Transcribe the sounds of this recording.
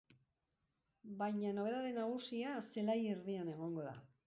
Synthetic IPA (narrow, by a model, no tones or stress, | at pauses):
bajɲano̞β̞e̞ðaðenaɣ̞usiase̞laje̞ɾðiane̞ɣ̞o̞ŋɡo̞ða̰